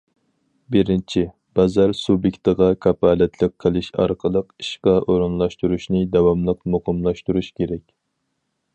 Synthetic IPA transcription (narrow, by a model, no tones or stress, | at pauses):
bɪɾɪnt͡ʃʰi | bɑzɑɾsubjekʲt̪əʁɑkʰɑpɑːlɛt̪ʰlˠɪk̚ʲqʰːəlˠɪʃɑ̰ɾqʰəlˠəqiʃqɑʔoɾunlˠɑʃt̪uɾuʃnɨd̪ɛwɑmlˠəqmoqʰəmlˠɑʃt̪uɾuʃkʲʰeɾɛkʲ